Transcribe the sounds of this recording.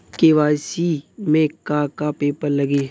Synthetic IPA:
keʋaːsimẽkakapeːpəɾlɐɡe

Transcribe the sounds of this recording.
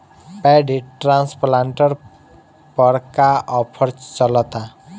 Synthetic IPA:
pɛɖiʈɾãnsplãɳʈəɾ | pəɾkaʔɔpʰəɾt͡ʃt͡ʃələt̪a

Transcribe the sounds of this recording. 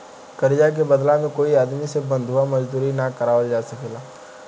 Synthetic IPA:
kəɾd͡ʒak̬ebɐd̪lãmẽkoːiaːd̪misebə̃nd̪ʱɦuwamɐd͡ʒd̪uːɾinakɐɾaːwəld͡ʒaːsəkelaː

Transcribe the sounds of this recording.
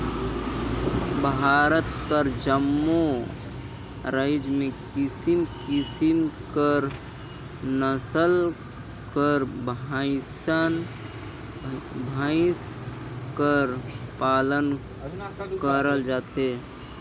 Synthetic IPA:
bʱaɾət̪kəɾd͡ʒəmːo | ɾəɪd͡ʒmẽkisimkisimkəɾ | nəsəl | kəɾbʱaɪsən | bʱaɪskəɾpalən | kəɾəld͡ʒat̪ɦe

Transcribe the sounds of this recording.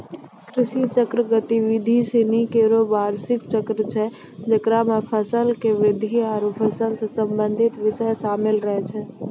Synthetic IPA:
kɾɪʃit͡ʃəkɾəɡət̪iʋɪd̪ʱisenikeɾobaːɾsɪkt͡ʃəkɾət͡ʃʰɛ | d͡ʒəkɾamepʰəsəlkeʋɾɪd̪ʱiɔːɾupʰəsəlsesəmbə̃nd̪ʱɪt̪ʋɪsəjʃaːmɪlɾəɦɛt͡ʃʰɛ

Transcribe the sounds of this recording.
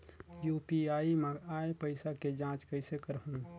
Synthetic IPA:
juːpiaːimẽaːepəɪsaked͡ʒãːt͡ʃkəɪsekəɾɦũ

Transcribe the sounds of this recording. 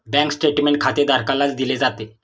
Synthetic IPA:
bɛ̃ŋksʈeʈmeɳʈ̚kʰat̪ed̪ʱaɾkalat͡sd̪iled͡zat̪e

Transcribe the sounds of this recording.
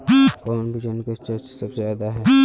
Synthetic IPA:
kɔːnbʱid͡ʒənkat͡ʃəɾt͡ʃsɐbzjaːd̪aɦɛː

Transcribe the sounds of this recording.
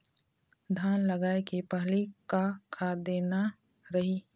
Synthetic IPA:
d̪ʱaːnləɡaːekepəɦlikakʰad̪eːna | ɾɐɦi

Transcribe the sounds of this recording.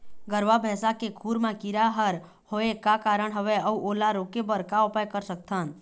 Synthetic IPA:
ɡəɾʋabʱɛsakekʰuɾmãkiɾaɦəɾ | hoekakaɾəɳ̃ɦəʋeəuʔolaɾokebəɾkaʊpajkəɾsək̚t̪ʰan

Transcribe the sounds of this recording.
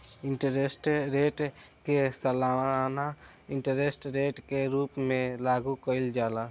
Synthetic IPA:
ɪɳʈəɾesʈɾeʈkesəlaana | ɪɳʈəɾesʈɾeʈkeɾuːpmẽlaɡukəɪld͡ʒala

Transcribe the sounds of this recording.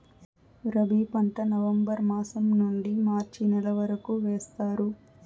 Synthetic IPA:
ɾɐbʱiːpɐɳʈɐnɐʋɐmbɐɾmaːsɐmnuɳɖimaːɾt͡ʃinɐlɐʋɐɾɐkuʋeːst̪aːɾu

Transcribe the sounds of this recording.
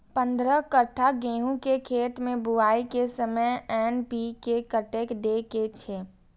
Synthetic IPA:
pə̃nd̪ɾəkəʈʰːaɡeːɦũkekʰeːt̪mẽbʊaːikesəməjɛːnpikekəʈeːkd̪eːket͡ʃʰe

